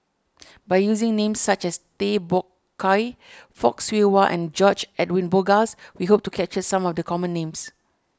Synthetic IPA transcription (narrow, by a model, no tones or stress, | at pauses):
bajjuzɪ̃ŋnẽmsːat͡ʃɛst̪ebɔkʰː | ajfɔ̰kswiwaʔɛ̰̃nd͡ʒɔt͡ʃɛdwĩnboɡaswiɦop̚tukʰɛt͡ʃəsãmɔfdəkʰɔmə̃nːẽms